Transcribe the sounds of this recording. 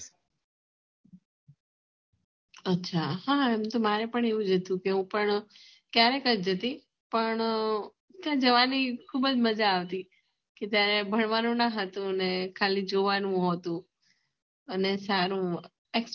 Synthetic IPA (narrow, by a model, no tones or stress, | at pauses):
ətːʃʰahaɛmt̪omaɾepəɳeʋũd͡ʒət̪ũkeɦũpəɳ | kjaɾekəd͡ʒd͡ʒət̪i | pəɳ | t̪jãd͡ʒəʋanikʰubəd͡ʒməd͡ʒaːʋt̪i | ket̪jaɾebʱəɳʋanũnaɦət̪ũənekʰalid͡ʒoʋanũɦot̪ũ | ənesaɾũ | eks